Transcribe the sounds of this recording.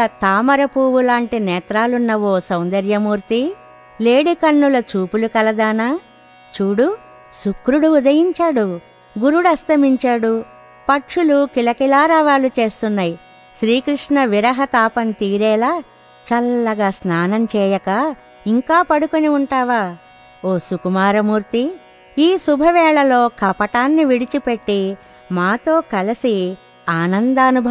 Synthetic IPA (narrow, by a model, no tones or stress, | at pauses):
ɐt̪aːmɐɾɐpuːʋulaːɳʈinɛːt̪ɾaːlunːɐʋo̞ːsɐwnd̪ɐɾjɐmuːɾt̪i | le̞ːɽikɐnːulɐt͡ʃuːpulukɐlɐd̪aːnaː | t͡ʃuːɽu | sukɾuɽuːd̪ɐjiɲt͡ʃaːɽu | ɡuɾuɽɐst̪ɐmiɲt͡ʃaːɽu | pɐʈʂulukilɐkilaːɾaːʋaːlut͡ʃe̞ːst̪unːaːji | ʃɾiːkɾiʂɳɐʋiɾɐɦɐt̪aːpɐnt̪iːɾɛːlaː | t͡ʃɐlːɐɡaːsnaːnɐmt͡ʃɛːjɐkɐ | iŋkaːpɐɽukoniuɳʈaːʋaː | oːsukumaːɾɐmuːɾt̪i | iːsubʱɐʋɛːɭɐlo̞ːkɐpɐʈaːnːiʋiɽit͡ʃipeʈːi | maːt̪o̞ːkɐlɐsi | aːnɐnd̪ɐɐnubʱɐ